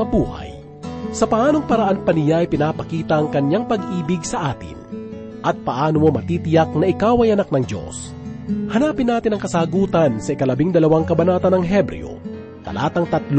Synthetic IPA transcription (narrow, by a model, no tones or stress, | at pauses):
ɐbuːhɐ̰j | sɐpɐʔaːno̞ŋpɐɾɐʔanpɐnɪjaɐjpɪnaːpɐkiːt̪ɐʔɐŋkɐɲaŋpɐɡʔiːbɪɡsɐʔaːt̪ɪ̰n | ʔɐt̪̚pɐʔaːnomomɐt̪iːt̪ɪjɐk̚nɐʔɪkawɐjɐnak̚nɐŋd̪o̞̰s | hɐnaːpɪnːaːt̪ɪnɐŋkɐsaːɡuːt̪ɐnsɐʔɪkɐlɐbiŋd̪ɐlɐwaŋkɐbɐnaːt̪ɐnɐŋɦɛbɾɛ̰o̰ | t̪ɐ̰lʔa̰ːt̪ɐŋt̪ɐt̪l